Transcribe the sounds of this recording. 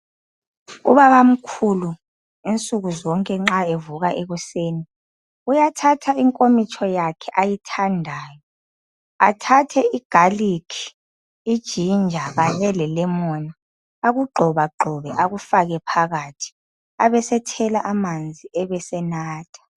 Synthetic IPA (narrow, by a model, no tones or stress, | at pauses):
ṵβaβam̩kʰulu | int͡sʼuɣuzɔŋkʼɛŋ͡ǁaevuɣaʔeɣuseːni | ujatʰatʰaiŋkʼomit͡ʃʰʼɔjakʰɛʔajitʰandʱaːjɔ | a̰tʰatʰɛiɡ̥ʱalikʰi̥ | id̥ʒ̥ʱind͡ʒʱaɣaɲɛlɛlɛmɔna | aɣuɡ͡ǃʱɔβaɡ͡ǃʱɔβɛʔaɣufaɣɛpʰaɣatʰi̥ | aβɛsɛtʰɛlaʔamand͡zʱiɛβɛsɛnaːtʰḁ